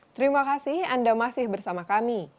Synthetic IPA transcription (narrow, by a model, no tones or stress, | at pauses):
t̪əɾimakasɪhandamasɪhbərsamakami